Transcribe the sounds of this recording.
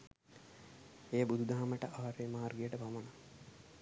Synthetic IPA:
ejəbud̪ʱud̪aɦaməʈəʔaʋaɾeːmaɦarɡijəʈəpaməna

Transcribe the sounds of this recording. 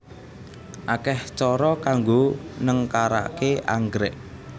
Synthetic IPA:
ʔakɛht͡ʃɔɾɔkaŋɡonəŋkaɾa̰keʔa̰ŋɡɾɪʔ

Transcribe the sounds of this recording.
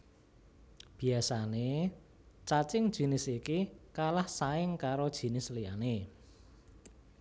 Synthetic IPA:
b̥i̤asane | t͡ʃat͡ʃɪŋd̥ʒ̥i̤nɪsikikalahsaɪŋkaɾod̥ʒ̥i̤nɪslijane

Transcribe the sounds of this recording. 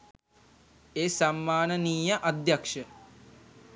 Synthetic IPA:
eːsamːaːnəniːjɐʔad̪jakʂə

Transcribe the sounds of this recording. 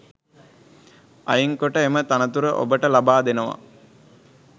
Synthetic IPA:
a̰jiŋkoʈəemət̪anət̪uɾəʔo̰bəʈəlabaːd̪enəʋa̰

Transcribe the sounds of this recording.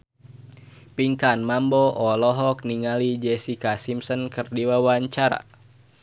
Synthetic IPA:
piŋkanmambɔʔɔlɔɦɔk̚niŋalid͡ʒɛsikasimsɔnkɨrdiwawaɲt͡ʃaɾa̰

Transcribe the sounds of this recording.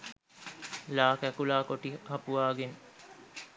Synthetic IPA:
laːkækulaːkoʈihɐpuʋaːɡen

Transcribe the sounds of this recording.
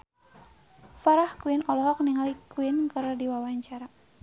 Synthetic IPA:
faɾahkuɪnɔlɔɦɔk̚niŋalikuɪnkəɾdiwawaɲt͡ʃaɾa

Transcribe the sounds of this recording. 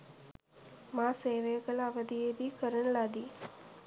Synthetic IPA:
mãseːʋejəkəlaːʋəd̪ʱieːbiːkəɾəɳlaːd̪iː

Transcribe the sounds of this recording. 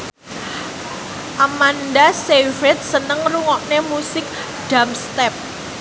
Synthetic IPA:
ʔamandasefɾɛt̪̚sənəŋruŋɔʔnemusɪk̚ | ɖ̥a̤mst̪ɛp̚

